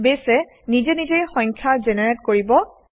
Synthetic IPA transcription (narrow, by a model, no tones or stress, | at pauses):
besɛ | nizɛnizejxɔ̃ŋkʰjazɛnɛɹɛtkoɹibɔ